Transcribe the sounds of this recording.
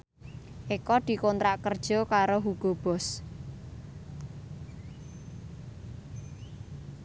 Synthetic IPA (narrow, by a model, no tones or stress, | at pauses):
ʔikɔd̪̥i̤kɔnt̪ɾaʔkərd̥ʒ̥ɔ̤kaɾoɦuɡ̥ob̥ɔ̤s